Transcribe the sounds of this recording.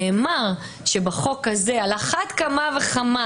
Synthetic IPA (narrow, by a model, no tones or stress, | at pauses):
emaʁ | ʃe̞baχo̞khaze̞alaχat̪kamave̞χama